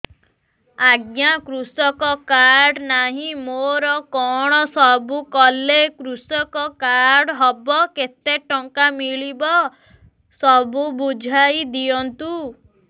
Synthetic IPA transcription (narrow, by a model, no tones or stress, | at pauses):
aɡjakɾusɔkɔkaɾɖnaɦĩmoɾɔkɔɽ̃ɔsɔbukɔlekɾusɔkɔkaɾɾɖɦɔbɔket̪eʈɔŋkamiɭibɔ | sɔbubud͡ʒʱajd̪iɔnt̪u